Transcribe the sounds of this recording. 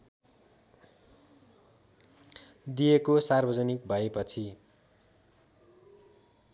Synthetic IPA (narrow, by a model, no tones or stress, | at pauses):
d̪ijekosarbʱʌd͡zʌnik̚bʱʌepʌt͡sʰi